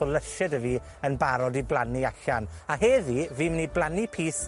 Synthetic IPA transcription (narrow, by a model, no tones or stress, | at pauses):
ɔlˠəʃɛdəviː | ənbaɾɔdiblˠaniaɬanaɦeːviviːmniblˠanipʰiːs